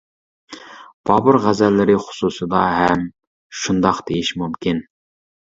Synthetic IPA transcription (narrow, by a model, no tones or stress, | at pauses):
b̥ɑːbʊɾʁæzɛlːɪɾɪχʊ̥susɨd̪ɑɦɛm | ʃund̪ɑqd̪̥ejiʃmumkʲʰin